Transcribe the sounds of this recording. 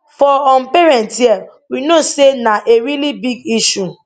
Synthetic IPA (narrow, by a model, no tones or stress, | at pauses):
fɔɔ̃npeɹɛ̃ntjɛ | winosenaʔeɾilibiɡiʃu